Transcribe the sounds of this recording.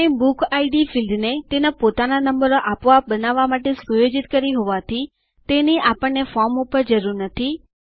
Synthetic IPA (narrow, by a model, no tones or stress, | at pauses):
ẽbukʰaiɖifilɖnet̪enapot̪ananəmbəɾoʔapʋabənaʋːamaʈesujod͡ʒit̪kəɾiɦoʋat̪ʰi | t̪eniʔapəɳːefɔɾmupəɾd͡ʒəɾuɾnət̪ʰi